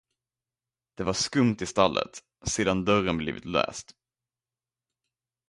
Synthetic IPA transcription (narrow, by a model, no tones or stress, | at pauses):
d̪̥ɛvaʂkɵmt̪ɪst̪alːə̰t̪ | seːd̪and̪œrənblḭːvɪ̰t̪lœ̰ːst̪